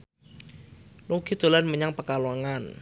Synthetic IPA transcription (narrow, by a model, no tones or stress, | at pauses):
luɡ̥id̪̥o̤lanməɲaŋpəkalaŋan